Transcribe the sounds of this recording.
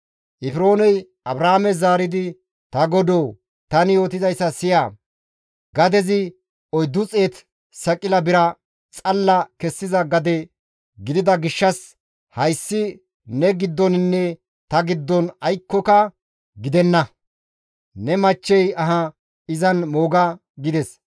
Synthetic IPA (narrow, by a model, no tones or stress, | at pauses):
ʔɪfɪɾo̞ːnɛj | ɐbɾaːmɛzaːɾɪd̪ɪ | t̪ɐɡɔd̪oː | t̪ɐnɪjo̞ːt̪ɪzɐjsːɐsɪjaː | ɡɐd̪ɛzɪ | ɔjd̪ʊt͡sʼeːt̪ | sɐkʼɪlɐbɪɾɐ | t͡sʼɐlːɐkɛsːɪzɐɡɐd̪ɛ | ɡɪd̪ɪd̪ɐɡɪʃːɐs | hɐjsːɪ | nɛɡɪd̪ːɔnɪnːɛ | t̪ɐɡɪd̪ːɔnɐjkːɔkɐ | ɡɪd̪ɛnːɐ | nɛmɐt͡ʃːɛjɐɦɐ | ɪzɐnmo̞ːɡɐ | ɡɪd̪ɛs